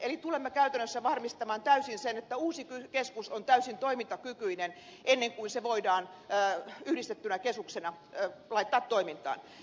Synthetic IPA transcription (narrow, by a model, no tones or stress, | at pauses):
elit̪ulemːekæyt̪ænːøsːæʋɑrmist̪ɑmɑːnt̪æysinsenet̪ːæuːsikykeskusont̪æysint̪oimint̪ɑkykyinenʔenːeŋkuinseʋoidɑːn | yhdist̪et̪ːynækesuksenɑ | lɑit̪ːɑːt̪toimint̪ˑɑ̰ːn